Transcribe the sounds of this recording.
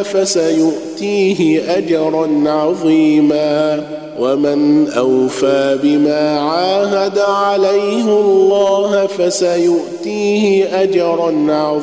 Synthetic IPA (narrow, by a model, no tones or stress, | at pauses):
fasajʊʔt̪iːɦɪʔad͡ʒɑɾˤɑnʕɑðˤiːmaː | wamɪnʔawfaːbɪmaːʕaːɦad̪aʕalajhɪɑlːɑːɦfasajʊʔt̪iːhɪʔad͡ʒɑɾˤɑnʕɑ